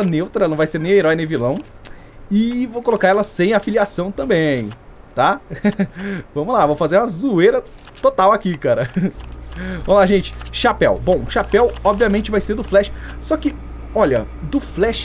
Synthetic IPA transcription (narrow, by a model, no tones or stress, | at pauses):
ɐnewt̪ɾɐlnɐ̃w̃vajseɾnẽj̃eɾɔjnẽvilɐ̃w̃ | ɪvowkolokaɾɛlɐsẽj̃afiliasɐ̃w̃t̪ɐ̃mbẽj̃ | t̪a | vɐ̃mʊlavɐ̃mʊfazeɾũmɐzuejɾɐ | t̪ot̪awakikaɾɐ | vɐ̃mʊlaʒẽnt͡ʃɪ̥ʃapɛwbõʃapɛwɔbviɐmẽt͡ʃɪvajseɾd̪ʊflɛʃɪ̥sɔkɪ | ɔʎɐ̰ | d̪ʊflɛʃ